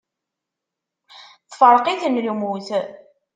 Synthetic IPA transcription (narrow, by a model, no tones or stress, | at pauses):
θfəɾˤqiθnlumuθ